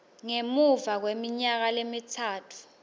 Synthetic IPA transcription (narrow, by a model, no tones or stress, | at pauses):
ŋemuvak̬wemiɲak̬alemitʰaːtʰu̥